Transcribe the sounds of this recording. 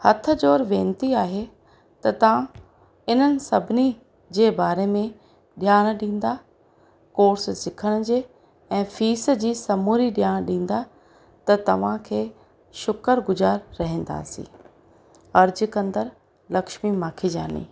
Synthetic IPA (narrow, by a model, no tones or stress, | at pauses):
hɐt̪ʰə̆d͡ʑoːɾʋẽːnt̪iaːɦe | t̪ɐt̪ɐʋ̤ã | ɪn̤ənɪ̆sɐbʱɪni | d͡ʑeːbaːɾemẽ | ɗɪjaːɽ̃ɗĩːn̆d̪a | koːɾssɪkʰəɽ̃ʊd͡ʑeː | ɛ̃ːfiːs̆d͡ʑiːsɐmuːɾiɗjaːɽ̃ɗĩːn̆d̪a | t̪ɐt̪ɐʋ̤ãkʰeː | ʃʊkəɾɡʊzaːɾːɐɦẽːn̆d̪a̰ːsḭ̃ː | ɐɾd͡ʑkɐ̃nd̪əɾ | lɐkʃmimaːkʰid͡ʑa̰ːnḭː